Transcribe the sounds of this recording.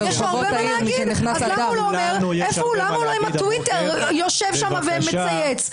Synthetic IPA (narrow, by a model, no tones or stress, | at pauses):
eʃavotai | ɡiʃdeniχnassald̪amuloːmeʁ | efoulamauloimatwiteʁ | joʃevʃamavemet͡sajet͡s